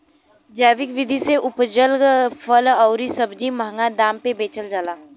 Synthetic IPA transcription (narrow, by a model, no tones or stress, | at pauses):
d͡ʒɛːʋɪkʋɪd̪ʱiseʔʊpd͡ʒəlɡfʰələʊɾisɐbd͡ʒiməɦŋɡad̪aːmpebeːt͡ʃəld͡ʒaːlaː